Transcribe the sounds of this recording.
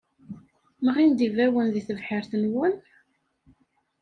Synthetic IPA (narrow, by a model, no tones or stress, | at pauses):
məʁind̪ivæwənðiθəvħəɾθənwən